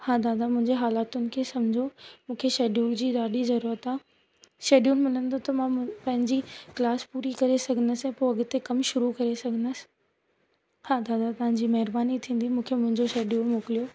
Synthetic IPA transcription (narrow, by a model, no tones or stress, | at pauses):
hãːd̪aːd̪amʊ̃ɦɪ̃ɲd͡ʑeɦaːlaːt̪ʊnɪ̆kʰeːsɐm̤ɪd͡ʑʱomũːkʰeʃeːɖijuːld͡ʑiːɗaːɗizɐɾuːɾət̪aː | ʃeːɗiunmɪlənɪd̪ot̪ɐmãpɐ̃ɦɪ̃ɲd͡ʑiklaːspuːɾikɐɾesɐɡʱənəsɛ̃poɐɡt̪ekɐmʃʊɾukɐɾesɐɡʱənəsɪ̥ | hãːd̪aːd̪at̪ɐʋ̤ãɲd͡ʑiːmɐɦɪɾbaːnit̪ʰĩːn̆d̪imũːkʰemʊ̃ɦɪ̃ɲd͡ʑoʃeːɖijunmoːkɪlijo